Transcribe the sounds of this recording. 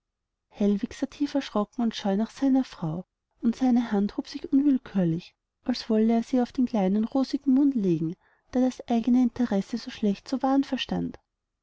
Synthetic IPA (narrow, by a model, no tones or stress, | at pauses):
hɛlvɪksaːtʰiːfɛɐʃʁ̥ɔkŋ̩ʊntʃɔʏnaχsaɪnɐfʁ̥aʊ | ʊntsaɪnəhanthoːpsɪçʔʊnvɪlkʰyːɐlɪç | ʔalsv̥ɔləeːɐz̥iːaʊfd̥eːmkl̥aɪnənʁoːzɪɡŋ̩mʊntleːɡŋ̩ | d̥aːɐd̥asʔaɪɡənəɪntʰəʁɛsəzoːʃlɛçtt͡sovaːnfɛɐʃta̰nd